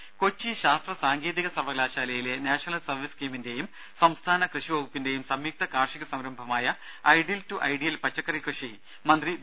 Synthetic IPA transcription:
ko̞t͡ɕːiɕaːst̪rɐsaːŋɡe̞ːðiɣɐsɐʋɐɡlaːɕaːlɐjile̞naːɕɐnɐlsɐrʋiskiːminde̞jum | sɐmst̪ʰaːnɐkrɨʂiʋɐɣupːinde̞jumsɐmjiːk̚t̪ɐkaːrʂiɣɐsɐmɾɐmbʱɐmaːjɐ | ɐjɖiltuʔɐjɖijɐlpɐt͡ɕːɐkːɐɾikrɨʂi | mɐnd̪ri

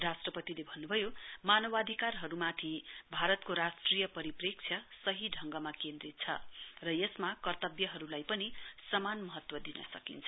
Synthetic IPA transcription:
rasʈrʌpʌt̪ilebʱʌnːubʱʌjomanʌwad̪ʱikarɦʌɾumat̪ʰibʱaɾʌt̪̚koɾasʈrijʌpʌɾiprek̚t͡sʰjʌsʌɦiɖʱʌŋɡʌmakend̪rit̪̚t͡sʰʌ̰rʌjesmakʌrt̪ʌbjʌɦʌɾulajpʌnisʌmanmʌɦʌt̪wʌd̪inʌ̰sʌkḭnt͡sʰʌ

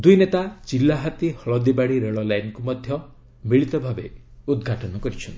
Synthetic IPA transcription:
d̪ujnet̪at͡ʃilːaɦat̪ihɔɭɔd̪ibaɽ̃iɾeɭɔlajnkumɔd̪ʱjɔ | miɭit̪ɔbʱabeud̪ɡʱaʈɔnɔkɔɾit͡ʃʰɔnt̪

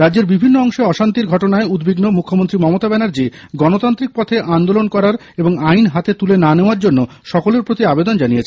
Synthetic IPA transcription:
ɾadd͡ʑeɾbibʱinːoɔŋʃeɔʃant̪iɾɡʱɔʈonaeud̪biɡnomukʰːomont̪ɾimɔmot̪abɛnaɾd͡ʑi | ɡɔnot̪ant̪ɾik̚pɔt̪ʰeʔand̪olonkɔɾaɾ | eboŋajnɦat̪et̪ulenaneoaɾd͡ʑonːo | ʃɔkoleɾpɾot̪iabed̪ond͡ʑanijet͡ɕʰe

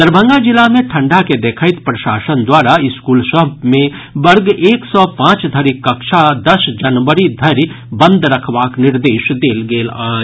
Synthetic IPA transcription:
d̪̥əɾbʱə̃ŋɡad͡ʒɪlamẽʈʰə̃ɳɖaked̪eːkʰaɪt̪pɾɐʃaːsənd̪waːɾaɪskuːlsəbmẽ | bɐɾɡeːksɔpãːt͡ʃd̪ʱɐɾikːɐkʃad̪ɐsd͡ʒɐnʋəɾid̪ʱɐɾ | bə̃nd̪ɾɐkʰʋaːknɪɾd̪eːʃd̪eːlɡeːlaː

